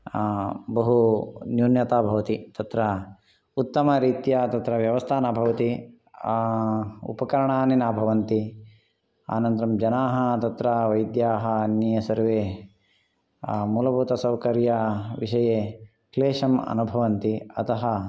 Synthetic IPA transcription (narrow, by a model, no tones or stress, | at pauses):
bɐɦunjuːnjɐt̪aːbʱɐʋɐt̪it̪ɐt̪ɾɐ | ut̪ːɐmɐɾiːt̪jat̪ɐt̪ɾɐʋjɐʋɐst̪ʰaːnɐbʱɐʋɐt̪i | ṵpɐkɐɾɐɳaːninaːbʱɐʋɐnt̪i | a̰ːnɐnt̪ɾɐmd͡ʒɐnaːɦɐt̪ɐt̪ɾɐʋɐjd̪jaːɦɐnjɐjɐsɐɾʋeː | muːlɐbʱuːt̪ɐsɐwkɐɾjɐʋiʂɐjeː | kleːʂɐmɐ̰nubʱɐʋɐnt̪iɐt̪ɐɦɐ